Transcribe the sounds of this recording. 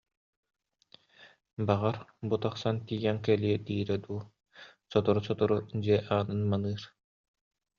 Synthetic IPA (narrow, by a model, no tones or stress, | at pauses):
baʁaɾbut̪aχsant̪iːjɛŋkɛliɛd̪iːɾɛd̪uː | sɔt̪ɔɾusɔt̪uɾud͡ʑiɛʔaːnɯnmanɯːɾ